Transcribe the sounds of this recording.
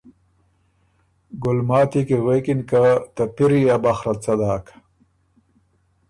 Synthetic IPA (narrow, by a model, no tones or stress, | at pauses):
ɡulmaːt̪ikiɣwekinkat̪ɐpiɾiabaxɾɐt͡sɐd̪aːk